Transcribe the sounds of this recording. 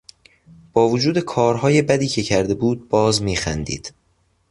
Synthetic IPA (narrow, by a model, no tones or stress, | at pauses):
b̥ɒːvod͡ʒuːd̪e̞kʰɒːɾɦɒːje̞bæd̪iːcʰe̞cʰæɾd̪e̞buːd̪̚bɒːzmiːxænd̪ḭːd̪̥